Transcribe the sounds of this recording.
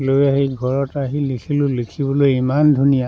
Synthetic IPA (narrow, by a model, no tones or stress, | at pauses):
lojaɦejɡʱɔɹɔtaɦilikʰilʊlikʰibɔlojimandʱunija